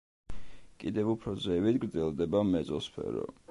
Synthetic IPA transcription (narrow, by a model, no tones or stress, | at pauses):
kʼid̪ɛvupʰɾɔd̪zɛvit̪ɡɾd̪zɛlˠd̪ɛbamɛt̪sʼɔspʰɛ̰ɾɔ̰